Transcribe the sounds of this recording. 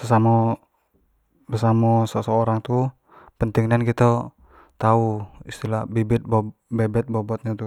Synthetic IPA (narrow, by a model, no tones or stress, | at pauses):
səsamɔ | bəsamɔsəsəoɾaŋt̪u | pənt̪iŋnɛnkit̪ə | t̪auist̪ilahbibɪt̪̚bɔbɛbɛt̪̚bɔbɔt̪̚ɲat̪u